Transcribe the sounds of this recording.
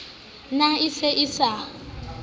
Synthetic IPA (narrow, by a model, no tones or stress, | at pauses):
naɪseʔɪsa